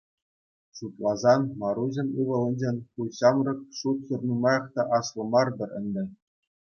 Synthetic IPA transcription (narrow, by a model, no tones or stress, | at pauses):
ɕut̪lˠɑzɑnmɑɾuʑɤ̆nʲɯʋɤ̆lˠɤ̆nʲd͡ʑenʲkulʲɕɑmrɤ̆k̚ʂut̪χʲɤrnumɑjɑχt̪ɑʔɑslˠɤ̆mɑrd̪ɤ̆rʲɘ̆nʲd̪ʲɘ̆